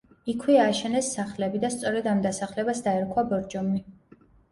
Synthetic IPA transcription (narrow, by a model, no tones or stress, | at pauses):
ikʰwiaːʃɛnɛsːaχlɛbid̪ast̪sʼɔɾɛd̪amd̪asaχlɛbasd̪aɛɾkʰwabɔɾd͡ʒɔmni